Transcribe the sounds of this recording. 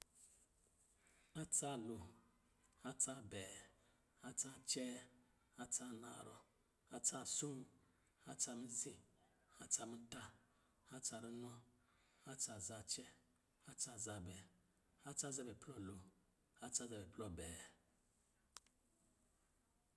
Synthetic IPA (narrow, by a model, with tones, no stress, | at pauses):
a˦t͡sa˦˨lu˨ | a˦t͡sa˦˨bɛ˨ | a˦t͡sa˦t͡ʃɛ˦ | a˦t͡sa˦˨na̰˨ɾɔ̰˨ | a˦t͡sa˦˨su˦˨ | a˦t͡sa˧mi˦zĩ˦ | a˦t͡sa˧mi˦ta˦ | a˦t͡ʃa˨ɾi˦nɔ˦ | a˦t͡sa˨za˦t͡ʃɛ˦ | a˦t͡sa˦˨za˨bɛ˨ | a˦t͡sa˦˨za˦˨bɛ˨plɔ˦˨lo˨ | a˦t͡ʃa˦za˨bɛ˨plɔ˦˨bɛ˨